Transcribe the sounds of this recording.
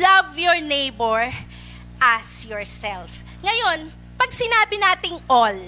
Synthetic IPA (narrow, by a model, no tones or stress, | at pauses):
lɐvjɔɹnejbɛɹ | ʔɐsjɔɹsɛlf | ŋɐjo̞n | pɐɡ̚sɪnaːbɪnaːt̪ɪŋʔol